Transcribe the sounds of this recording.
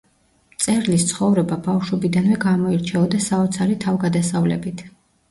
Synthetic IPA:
t̪sʼɛɾlist̪sʰχɔvɾɛbabafʃwɔbid̪anvɛɡamɔiɾt͡ʃʰɛɔd̪asaɔt̪sʰaɾit̪ʰavɡad̪asavlɛ̰bit̪ʰ

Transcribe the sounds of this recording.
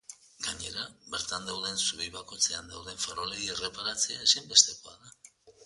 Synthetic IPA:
ɡ̥aɲe̞ɾaβe̞ɾt̪and̪awðe̞nsuβiβako̞jt͡se̞and̪awð̞e̞ɱfeɾo̞leɣiere̞paɾat͡se̞aesembe̞st̪e̞ko̞aða

